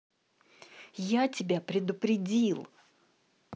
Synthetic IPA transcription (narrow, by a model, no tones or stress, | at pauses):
jatʲɪbʲapɾʲɪd̪ʊpɾʲɪdʲilˠ